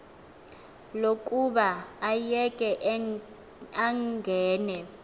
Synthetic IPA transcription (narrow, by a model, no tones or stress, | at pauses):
lok̬ʼuɓaːjɛkʼɛʔ | aŋɡʱɛːnɛ